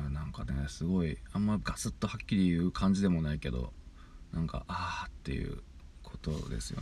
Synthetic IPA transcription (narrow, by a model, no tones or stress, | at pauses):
anãŋkanesɨɡo̞iãmːaɡasɨt̪ːo̞hakʲːiɾʲijɯ̟ːkʰãɲ̟d͡ʑid̪e̞mo̞naike̞d̪o̞̰ | nʔãŋka̰ʔat̪ːe̞̰jɯ̟̰ | kʰo̞t̪o̞d̪e̞̰sɨjo̰